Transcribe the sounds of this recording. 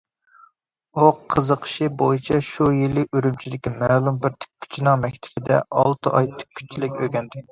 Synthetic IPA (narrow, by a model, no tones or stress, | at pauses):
uqʰəzəqʰə̥ʃibojit͡ʃʰɛʃujilːɪyɾymt͡ʃʰid̪ɪkʲimɛːlˠumbɪɾt̪ʰy̥k̚ʲʰːy̥t͡ʃʰinɨŋmɛkʲt̪ʰɪ̥bɪd̪ɛ̰ʔɑlˠt̪ʰɨʔɑjt̪ʰy̥k̚ʲʰːy̥t͡ʃʰilɪkʲøɡʲɛnd̪ɪ